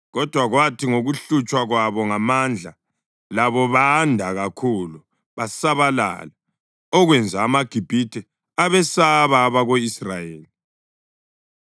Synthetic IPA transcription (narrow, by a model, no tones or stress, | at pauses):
ɣɔd̥ʱwaɣwatʰiŋoɣuɬut͡ʃʼwaɣwaβɔŋamand͡ɮʱa | laβɔβandʱaɣakʰulu | βasaβala̰la | ɔɣwɛnd͡zʱaːmaɡ̥ʱib̥ʱitʰɛ | aβɛsaβaːβaɣoisrajeːli